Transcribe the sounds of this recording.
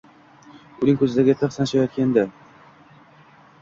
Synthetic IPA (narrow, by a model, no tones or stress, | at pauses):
ʊnɪŋʲkʰɵzɪd̪aɾɡʲat̪ʰaχsanʃajat̪̚kʲand̪a